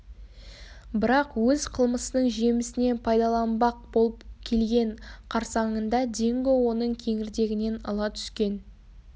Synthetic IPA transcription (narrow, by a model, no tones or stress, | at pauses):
bɪɾɑqwɵzqʰəlˠməsənəɴʒe̞mɪsɪne̞npʰɑjd̪ɑlˠɑnbɑq̚bo̞lˠəpkʲʰe̞lɡʲe̞ɴqʰɑɾsɑɴənd̪ɑd̪e̞ŋɡʲɪwo̞nəɴkʲʰe̞ŋɪɾd̪e̞ɡʲɪne̞nɑlˠɑt̪ʰʏ̥skʲe̞n